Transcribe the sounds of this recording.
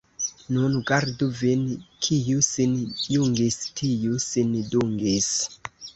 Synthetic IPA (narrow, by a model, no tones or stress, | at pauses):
nunɡaɾduvinkʰijusinjuŋɡistʰijusinduŋɡis